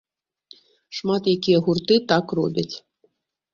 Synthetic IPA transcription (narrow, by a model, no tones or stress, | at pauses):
ʂmat̪jakʲijɛɣurt̪ɨt̪akrɔ̰bʲɐt͡sʲ